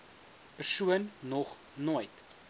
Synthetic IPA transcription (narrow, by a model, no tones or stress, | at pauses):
pərsuənnɔχ | nojt